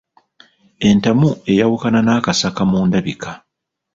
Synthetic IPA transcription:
e̞ntamue̞jawukananaːkasakamuːndaβikʰa

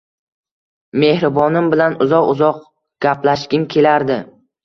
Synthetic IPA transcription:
me̞hɾɪbɒnɪmbɪlanʊzɒqʊzɒq̚ | ɡ̥ʲaplaʃɡʲɪnkʲʰe̞laɾd̪ɪ

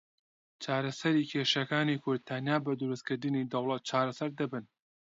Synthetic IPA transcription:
t͡ʃʰaːɾɐsɐɾiːkʰeːʃɐkaːnikʰʊɾd̪̚t̪ʰɐnjaːbɐd̪uɾuskɨɾd̪ɨnid̪ɐwlˠɐt̪̚t͡ʃʰaːɾɐsɐɾd̪ɐbɨn

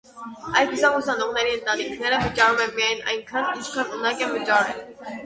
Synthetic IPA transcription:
ɑj̪ɡuzɑŋusɑnɔʁn̪ɛɾiənt̪ɑnikʰnɛɾəvət͡ʃɑɾumɛnmijɑjnɑ̰jŋkʰɑnikʰɑnunɑkɛvət͡ʃɑɾɛl

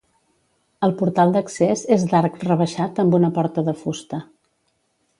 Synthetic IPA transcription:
əlˠpuɾt̪alˠd̪əksezezd̪aɾkrəβəʃat̪əmbunəpɔɾt̪əðəfust̪ə

